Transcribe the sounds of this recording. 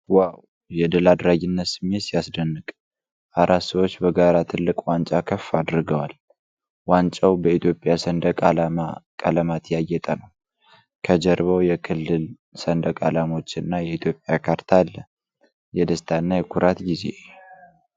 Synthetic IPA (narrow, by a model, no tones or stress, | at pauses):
waw | jɛd̪əlad̪ɾaɡɪnːət̪sɨmːesijasd̪ənːɨkʼ | ʔaɾʔat̪səwo̞t͡ʃːbəɡaɾat̪ʰɨlːɨkʼwant͡ʃʼakʰəfːad̪ɾɨɡəwal | want͡ʃʼawbəit̪jo̞pʼjasənd̪əkʼələmat̪jajːɛt̪ʼənəw | kʰəd͡ʒɛɾβəwjɛkʰɨlːɨl | sənd̪əkʼa̰lamo̞t͡ʃːɪnːajɛit̪ʰjo̞pʼjakʰaɾt̪ʰalːə | jɛd̪əst̪ʰanːajɛkʰuɾʔat̪ɡizḛ